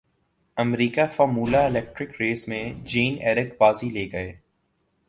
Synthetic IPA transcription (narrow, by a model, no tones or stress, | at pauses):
ɐmɾiːkafɔːɾmuːlaɪlɛːk̚ʈɾɪkɾeːsmẽd͡ʒiːnɛːɾɪkbaːzileːɡɐeː